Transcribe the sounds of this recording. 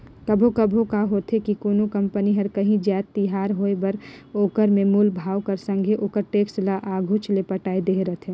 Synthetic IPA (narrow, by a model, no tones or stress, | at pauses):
kəbʱokəbʱokaɦoːt̪ʰɦekikoːnokəmpəniɦəɾkəɦĩd͡ʒjaːt̪t̪ːiɦaːɾɦoebəɾoːkəɾmẽmuːlbʱaːwkəɾsə̃ŋɡʱeʔoːkəɾʈeːkslaʔaɡʱut͡ʃlepəʈaːed̪eːɾət̪ʰẽ